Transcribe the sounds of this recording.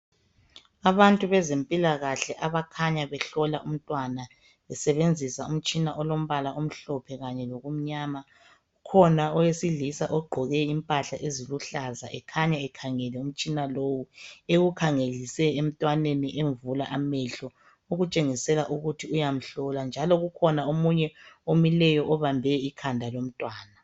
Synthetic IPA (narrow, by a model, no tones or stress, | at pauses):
aβantʼuβɛzempʼilaɣaɬɛʔaβakʰaɲaβɛɬɔlaʔum̩tʼwana | βɛsɛβend͡zʱisaum̩t͡ʃʼinaʔɔlom̩βalaom̩ɬɔpʰɛɣaɲɛloɣum̩ɲaːma | ukʰɔnaɔjesiɮisaʔɔɡ͡ǃʱɔɣɛimpʼaɬaʔeziluɬaza̰ʔɛkʰaɲaɛkʰaŋɛlɛum̩t͡ʃʼinalowueɣukʰaŋelisɛem̩tʼwaneniʔeɱvulaʔamɛɬɔ | uɣut͡ʃʼeŋisɛlaʔuɣutʰiujam̩ɬɔland͡ʒʱalɔɣukʰɔnaomuɲɛomilɛjɔʔɔβambʱɛikʰandʱalom̩tʼwaːna